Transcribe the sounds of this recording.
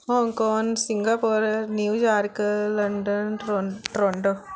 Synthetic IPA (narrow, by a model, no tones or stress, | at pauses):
hoːŋkoːŋsɪŋɡapoːɾnjuːd͡ʒaːɾkɯlɐɳɖɐnoʈɾɔɳɖo